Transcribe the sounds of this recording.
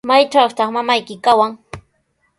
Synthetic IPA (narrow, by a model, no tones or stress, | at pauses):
majʈ͡ʂawt̪ɑχmamajkɪkawaŋ